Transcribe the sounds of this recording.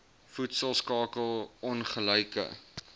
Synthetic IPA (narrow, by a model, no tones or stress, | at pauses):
futsəlˠskɑːkəlˠɔnχələjkə̰